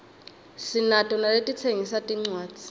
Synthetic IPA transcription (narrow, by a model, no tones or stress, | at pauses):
sinatʼɔnaletʼit͡sʰeŋisatʼiŋ͡ǀwaːt͡sʼi̥